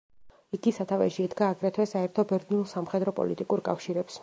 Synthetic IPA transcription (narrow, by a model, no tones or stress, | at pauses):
iɡisat̪ʰavɛ̰ʃiɛd̪ɡaːɡɾɛt̪ʰwɛsaɛɾt̪ʰɔbɛɾd̪niulˠsamχɛd̪ɾɔpʼɔ̰lit̪ʼikʼuɾkʼa̰fʃiɾɛps